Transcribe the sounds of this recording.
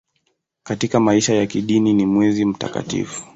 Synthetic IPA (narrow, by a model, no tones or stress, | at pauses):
katikamaiʃajakiɗininimwɛzim̩ta̰ka̰tḭfu̥